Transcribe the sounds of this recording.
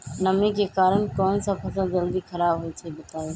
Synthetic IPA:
nəmekeːkaːɾənkɔːnsãpʰəsãd͡ʒəld̪iːxʰəɾaːbɦoet̪ʰebɪt̪aːoː

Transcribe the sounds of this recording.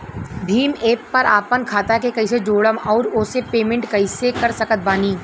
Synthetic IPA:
bʱiːmeːpːɐɾaːpənkʰaːt̪akekɐɪsed͡ʒoːɽəmɔːɾʊsepeːmẽɳʈkɐɪsekɐɾsɐkət̪̚baːniː

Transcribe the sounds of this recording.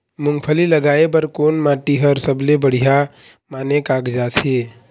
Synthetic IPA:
mʊ̃ŋɡpʰəliləɡaːep̬əɾkoːnmãːʈiɦəɾsəblebəɽ̤ija | maːnekaːkd͡ʒaːt̪ʰeː

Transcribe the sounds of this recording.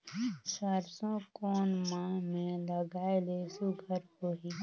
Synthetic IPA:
səɾsõkɔːnmãmẽləɡaːelesʊɡʱəɾkoːɦi

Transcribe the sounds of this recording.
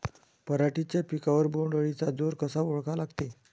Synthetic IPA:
pəɾaʈit͡ɕjapikaʋəɾboɳɖəɭit͡sad͡zoɾkəsaoɭkalaɡt̪e

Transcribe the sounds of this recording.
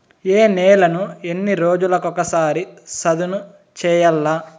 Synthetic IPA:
eːnɛːlɐnuenːiɾo̞ːd͡ʒulɐkɔkɐsaːɾisɐd̪unu | t͡ʃɛːjɐlːa

